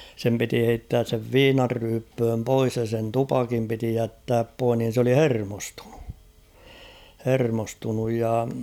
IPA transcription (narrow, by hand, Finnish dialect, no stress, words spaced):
sem piti heitːæːs seʋ ʋiːnɑrːyːpːøːm pois jɑ sen tupɑkim piti jætːæːp poih nin̞ s oli hermostu̥n̥u̥ hermostunuj jɑ